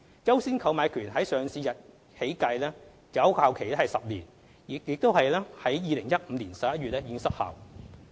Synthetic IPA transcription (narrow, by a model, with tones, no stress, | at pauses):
t͡sɐ˥wsiː˥nkʰɐ˨˧wmaː˨˧jkʰyː˨˩nɦɐ˨˥jsœː˨ŋsiː˧jɐ˨t̚ | he˨˥jkɐ˧jlɛː˥ | t͡sɐ˨˥wkʰaː˧wkʰe˨˩jlɛː˥ɐ˨jsɐ˨p̚liː˨˩n | jɪ˨k̚jɪ˨k̚t̪o˥whɐ˨jlɛː˥hɐ˨˥jjiː˨˧lɪ˨˩ŋjɐ˥t̚m̩˨˧liː˨˩nsɐ˨p̚jɐ˥t̚ɥyː˨t̚ɛː˥ji˧˥ŋsɐ˥k̚ha̰ː˨w